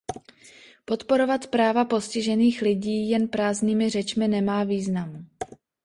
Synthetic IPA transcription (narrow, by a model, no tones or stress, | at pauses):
po̞t̪po̞ɾo̞vat̪pɾaːvapo̞scɪʒɛniːxlɪɟiːjɛnpɾaːzniːmɪr̝ɛt͡ʃmɪnɛmaːviːznamu